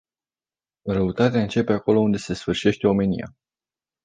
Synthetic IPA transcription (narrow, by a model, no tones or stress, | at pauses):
ɾəut̪at̪eaɨnt͡ʃe̞pe̞ako̞lo̞und̪e̞se̞sfɨrʃie̞ʃt̪e̞o̞me̞nḭa̰